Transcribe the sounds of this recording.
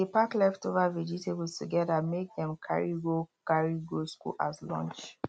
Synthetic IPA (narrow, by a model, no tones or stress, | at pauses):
dipaklɛftovavɛd͡ʒitebətuɡɛdamek̚dɛ̃mkʰa̰ɹiɡokaɹiɡoskṵla̰zlɔ̰̃nt͡ʃ